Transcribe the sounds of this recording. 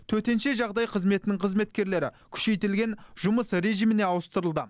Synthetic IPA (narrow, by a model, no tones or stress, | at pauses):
t̪ʰɵɾt̪e̞nʃeʒɑʁd̪ɑjqʰəzme̞t̪ɪnɪŋqʰəzme̞t̪kʲe̞ɾle̞ɾɪ̰ | kʲʰʏ̥ʃe̞jt̪ɪlɡʲe̞nʒʊməsɾe̞ʒijmɪne̞ɑwəst̪əɾəlˠd̪ə